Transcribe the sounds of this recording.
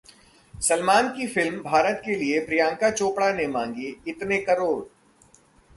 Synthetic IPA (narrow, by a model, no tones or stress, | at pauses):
sɐlmaːnkifɪlmbʱaːɾət̪keliepɾijãːŋkat͡ʃoːpɽanemãːŋɡiɪt̪nekɐɾoːɾ